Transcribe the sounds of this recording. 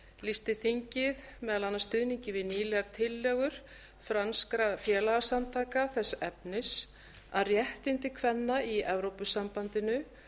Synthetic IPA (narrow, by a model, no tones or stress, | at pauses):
list̪ɪθiɲcɪð | mɛːðalanːast̪ʏðniɲcɪvɪðniːlɛɣaɾ̥t̪ʰɪlːœɣʏɾ̥ | fɾanskɾafjɛːlaɣasant̪ʰaːkaθɛsːɛpnɪs | aðrjɛht̪ɪnt̪ɪkʰvɛnːaiɛvɾowpʏsampant̪ɪnʏ